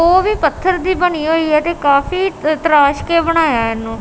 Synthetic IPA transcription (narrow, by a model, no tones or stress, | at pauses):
oːʋiːpət̪ʰːəɾd̪iːbəniːɦoːiːɦɛːt̪eːkaːfiːt̪əɾaːʃkeːbəɽ̃aːjaːɪnːũː